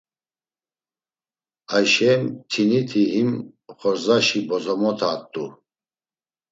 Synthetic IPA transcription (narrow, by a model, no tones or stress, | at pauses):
ajʃɛmt̪ʰinit̪ʰiɦim | χɔɾzaʃibɔzɔmɔt̪ʰaːt̪ʼːu